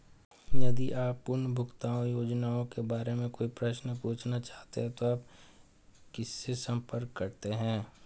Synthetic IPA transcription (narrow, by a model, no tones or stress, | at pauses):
jɐd̪iʔaːpːʊɾɳbʱʊkt̪aːõjoːd͡ʒnaːõkebaːɾemẽkoːipɾɐʃnəpuːt͡ʃʰnat͡ʃaːɦt̪ḛɦɛ̃t̪oaːp̚ | kɪsːesɐ̃mpəɾkːɐɾt̪eɦɛ̃ː